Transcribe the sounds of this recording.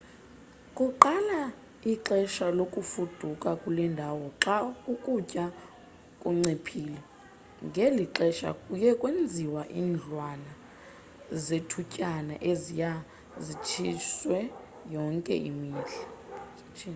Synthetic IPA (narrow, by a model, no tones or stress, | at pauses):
kʼuǃala | iǁɛʃalokʼufud̥ʱukʼakʼulɛndʱawɔǁaukʼucʼa | kʼuŋ͡ǀipʰiːlɛ | ŋɡʱɛliǁɛʃa̰kʼujɛkʼwend͡zʱiwaʔḭːnd͡ɮʱwana | zetʰucʼana̰ʔezija | zit͡ʃʰiswɛ | jɔŋkʼɛ̰ʔḭmiːɮɛ